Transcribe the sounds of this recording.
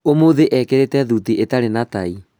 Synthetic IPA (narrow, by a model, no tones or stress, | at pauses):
omoðeʔɛkɛɾetɛðutiʔetaɾenatai